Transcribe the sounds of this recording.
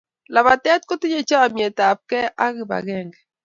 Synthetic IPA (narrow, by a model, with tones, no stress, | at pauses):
la˨βa˨tɛ˦t̪̚ko˦tɪ˦ɲe˦˨t͡ʃa˦a˨mjɛ˨ta˨p̚kɛ˦ʔa˦ɣi˨βa̰˨ɣɛ˦˨ŋɡɛ˨